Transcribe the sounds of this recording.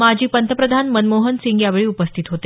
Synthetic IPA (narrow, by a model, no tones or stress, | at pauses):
mad͡ʑʱiːpənt̪ʰəpɾəd̪ʱanmənmoɦənsiŋɡjaʋeɭiːupəst̪ʰit̪ɦot̪e